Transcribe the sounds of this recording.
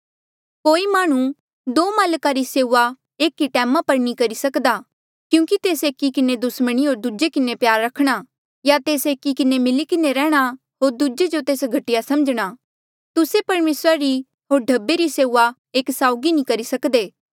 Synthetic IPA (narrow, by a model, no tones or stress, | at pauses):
koːimaːɽ̃ũ | d̪oːmaːlkaɾiseːuʋa | eːkːiʈɛːmapɐɾnĩkɐɾisɐkd̪aː | kjũːkit̪eːseːkːikɪned̪ʊsməɽ̃iɦoːɾd̪ud͡ʒekɪnepjaːɾːɐkʰɽ̃a | jat̪eːseːkːikɪnemɪlikɪneɾɛːɽ̃a | ɦoːɾd̪ud͡ʒed͡ʒot̪eːsɡʱɐʈɪjasɐməd͡ʒɽ̃aː | t̪ʊsepɐɾmeːsɾaɾi | ɦoːɾɖʱɐbːeɾiseːuːa | eːksaːʊɡinĩkɐɾisɐkd̪eː